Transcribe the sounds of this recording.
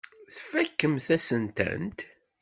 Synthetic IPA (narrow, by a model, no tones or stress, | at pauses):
θfækːəmθæsənt̪æ̰nt̪